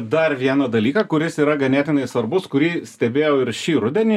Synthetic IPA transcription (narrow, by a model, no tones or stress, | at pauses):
d̪ɐɾʋʲiɛnɐd̪ɐlʲiːkɐkʊɾʲɪsiːɾɐɡɐnʲæːt̪ʲɪnɐɪsʋɐɾbʊskʊɾʲiːsʲt̪ʲɛbʲeːjɛʊɪɾʃʲiːɾʊd̪ʲɛnʲiː